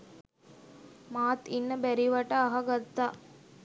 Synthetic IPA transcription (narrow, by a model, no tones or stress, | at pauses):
maːt̪inːəbɛɾiʋɐʈəːɦɐɡɐt̪ːaʔ